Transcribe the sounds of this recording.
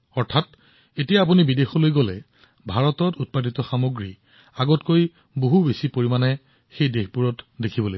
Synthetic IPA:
ɔɹtʰat | etijaːp̬unibidexɔlojɡɔlɛ | bʱaɹɔtɔtut̚pat̬itɔxamoɡɹi | aɡɔtkoj | boɦubesipoɹimanɛ | xejdexbuɹɔtdekʰibɔloj

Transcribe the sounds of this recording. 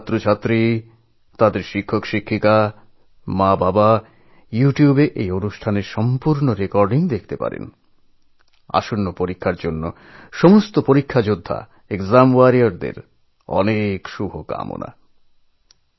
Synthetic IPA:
at̪ːɾot͡ɕʰat̪ːɾi | t̪ad̪eɾʃikʰːokʃikʰːik̪a | mãbaba | juʈijubeʔejonuʃʈʰaneɾʃɔmpuɾnoɾekɔɾɖiŋd̪ekʰt̪epa̰ɾḛn | a̰ʃonːopoɾikʰːaɾd͡ʑonːo̰ | ʃɔmost̪opoɾikʰːad͡ʑod̪ʱːa̰ | ekzamuaɾioɾd̪ḛɾ | ɔ̰nekʃubʱoka̰mo̰na̰

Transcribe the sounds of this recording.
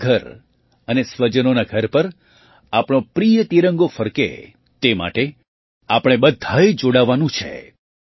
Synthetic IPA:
ɡʱəɾ | ənesʋəd͡ʒənonaɡʱəɾpəɾ | apɳ̃opɾijət̪iɾəŋɡofəɾkḛ | t̪ema̰ʈe | apɽ̃ebəd̪ʱːajd͡ʒoɽaʋanũt͡ʃʰḛ

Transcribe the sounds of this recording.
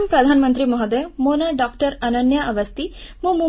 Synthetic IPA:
mpɾɐd̪ʱaːnmənt̪ɾimɔɦɐd̪emonɐɖɔːkʈəɾɐnɐnjaʔɐʋɐst̪imumu

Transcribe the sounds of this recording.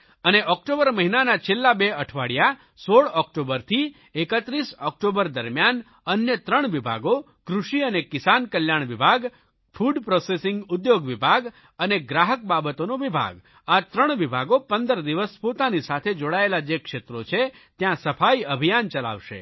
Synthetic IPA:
əneʔɔkʈobəɾməɦinanat͡ʃʰelːabeəʈʰʋaɽja | soɭɔk̚ʈobəɾt̪ʰi | ekət̪ɾisɔk̚ʈobəɾd̪əɾmjan | ənjət̪ɾəɳ̃ʋibʱa̰ɡo | kɾuʃiənekɪsankəljaɳ̃ʋibʱaɡ | fʰuɖpɾosesɪŋɡʊd̪joɡʋibʱaɡ | əneɡɾaɦək̚babət̪onoʋibʱa̰ɡ | at̪ɾəɳ̃ʋibʱaɡopənd̪əɾd̪iʋəspot̪anisat̪ʰed͡ʒoɽaelad͡ʒekʃet̪ɾot͡ʃʰe | t̪jãsəfʰaiəbʱijant͡ʃəla̰ʋʃḛ

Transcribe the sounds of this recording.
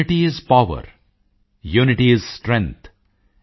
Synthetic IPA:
ɪʈiɪzpaʋə̰ɾ | juːnɪʈiɪzsʈɾɛ̃ŋt̪ʰ

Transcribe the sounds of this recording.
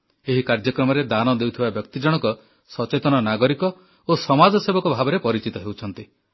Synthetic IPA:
eɦikaɾd͡ʒɔkɾɔmɔɾed̪anɔd̪ewt̪ʰibabjɔk̚t̪id͡ʒɔɽ̃ɔkɔ | sɔt͡ʃet̪ɔñɔnaɡɔɾikɔ | osɔmad͡ʒɔsebɔkɔbʱabɔɾepɔɾit͡ʃit̪ɔɦewt͡ʃʰɔn̪t̪i

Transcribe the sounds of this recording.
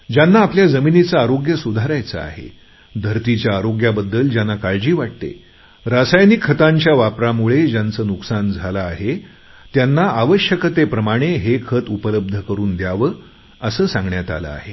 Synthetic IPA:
d͡ʑjanːaːpljad͡zəminit͡saːɾoɡjəsud̪ʱaɾajt͡sa̰a̰ɦḛ | d̪ʱəɾt̪it͡ɕjaːɾoɡjabəd̪ːəld͡ʑjanakaɭd͡ʑiːʋaʈ̚t̪ḛ | ɾasajnikʰːət̪ãɲt͡ɕjaʋapɾamuɭed͡ʑjant͡səːnuksand͡zʱalaːɦe | t̪janːaʔaʋəɕjəkət̪epɾəmaɽ̃eɦekʰət̪upələb̚d̪ʱəkəɾuːnd̪jaʋə | əsəːsãŋɡɳjat̪a̰lə̰a̰ɦe

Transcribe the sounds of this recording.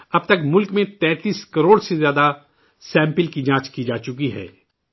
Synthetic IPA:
ɐb̚t̪ɐkmʊlkmẽt̪ɛ̃ːt̪iːskɐɾoːɽsezjaːd̪a | sɛ̃ːmpəlkid͡ʒãːt͡ʃkid͡ʒaːt͡ʃʊkiɦɛ̰ː

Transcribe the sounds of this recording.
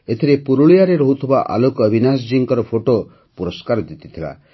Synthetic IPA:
et̪ʰiɾepuɾuɭijaɾeɾɔɦut̪ʰubaʔa̰lokəbʱinas̬ɔd͡ʒiŋkɔɾɔpʰoʈo | puɾɔskaɾɔd̪it̪i̥t̪ʰila̰

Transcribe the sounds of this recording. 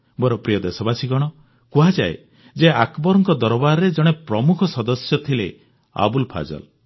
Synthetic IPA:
bɔɾɔpɾijɔd̪esɔbasiɡɔɽ̃ɔ | kuɦad͡ʒaḛ | d͡ʒeakbɔɾɔŋkɔd̪ɔɾɔbaɾɾed͡ʒɔɽ̃epɾɔmukʰɔsɔd̪ɔsjɔt̪ʰile | a̰bulpʰa̰d͡ʒɔ̰l

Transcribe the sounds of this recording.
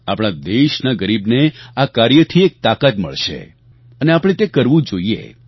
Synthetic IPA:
a̰pɽ̃ad̪eʃnaɡəɾibneakaɾjət̪ʰiek̚t̪akət̪mə̰ɭʃḛ | əneapɽ̃ẽt̪ekəɾʋũd͡ʒoiḛ

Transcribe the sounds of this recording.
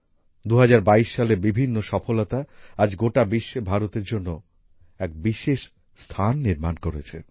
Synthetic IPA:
d̪uɦad͡ʑaɾbaiʃːalebibʱinːoʃɔfolot̪aad͡ʑɡoʈabiʃːebʱaɾot̪eɾd͡ʑonːo | ɛk̚biʃeʃ | st̪ʰanːiɾmankoɾet͡ɕʰḛ

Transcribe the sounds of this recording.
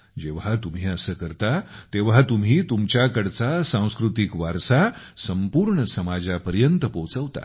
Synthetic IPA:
d͡ʑeʋ̤at̪um̤iːəsəːkəɾt̪at̪eʋ̤at̪umɦiːt̪umt͡ɕjakəɽt͡sasãw̃skɾut̪ikʋaɾsa | səmpuːɾɳəsəmad͡ʑapəɾjənt̪əpowt͡səʋt̪a̰

